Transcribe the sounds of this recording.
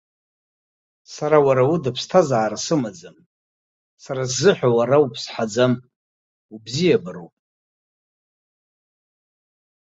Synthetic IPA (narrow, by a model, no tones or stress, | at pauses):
saɾawaɾawudapʰstʰazaːrasɨmad͡zam | saɾazːɨħʷᶣawaɾaupʰsħad͡zam | ubzijabɨɾowpʼ